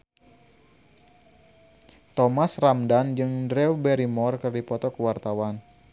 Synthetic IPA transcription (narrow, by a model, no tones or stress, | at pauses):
t̪ɔmasramdand͡ʒɨŋdɾɛubɛɾimɔrkɨrdipɔt̪ɔkəwart̪awan